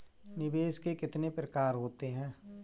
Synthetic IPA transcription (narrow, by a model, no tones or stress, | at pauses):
nɪʋeːʃkekɪt̪nepɾəkaːɾɦoːt̪eɦɛ̃ː